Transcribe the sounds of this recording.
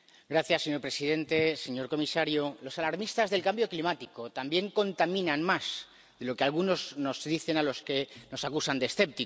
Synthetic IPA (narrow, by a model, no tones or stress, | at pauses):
ɡɾaθjasːe̞ɲo̞ɾpɾe̞siðe̞nt̪e̞se̞ɲo̞ɾko̞misaɾjolo̞salaɾmist̪azðe̞lkambjo̞klimat̪iko̞t̪ambje̞ŋko̞nt̪amĩnanmaz | ðe̞lo̞ke̞alɣuno̞zno̞zðiθe̞nalo̞ske̞no̞sakusand̪esθe̞p̚t̪i